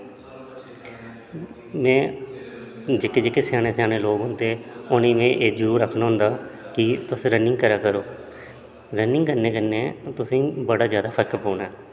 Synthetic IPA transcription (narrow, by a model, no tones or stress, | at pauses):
mɛ̃ː | d͡ʒeːkeːd͡ʒeːkeːsjaːñeːsjaːɽeːloːɡɦʊnd̪eːʊnĩːmẽːʔeːd͡ʒuːɾəkʰnaːɦʊnd̪aːkɪt̪ʊsɾənːɪŋɡkəɾaːkəɾoː | ɾənːɪ̃ŋɡkənẽːkəneːt̪ʊsĩːbəɽaːzjaːd̪aːpʰəɾkpoːnɛː